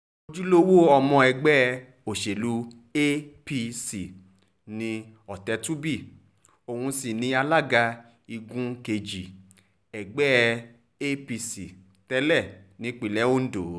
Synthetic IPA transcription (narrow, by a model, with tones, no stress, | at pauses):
o˧d͡ʒu˦lo˦wo˦ɔ˧mɔ̃˧ɛ˧ɡ͡bɛ˦˧ | o˨ʃe˨lu˨˧ | e˦pi˧si˨ | nĩ˧ | ɔ˨tɛ˨˦tu˦bi˦˨ | o˨hũ˧si˨nĩ˧a˧la˦˨ɡa˧ | i˧ɡũ˦ke˧d͡ʒi˨ | ɛ˨ɡ͡bɛ˦˧ | e˦pi˧si˨ | tɛ˧˦lɛ˦˨nĩ˧˦k͡pi˨lɛ˨˦o˦n̩˦do˨